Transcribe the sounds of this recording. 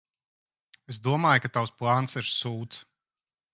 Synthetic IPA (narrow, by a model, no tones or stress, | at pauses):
esd̪uɔmaːjkat̪awsplˠaːnsiɾsuːt̪s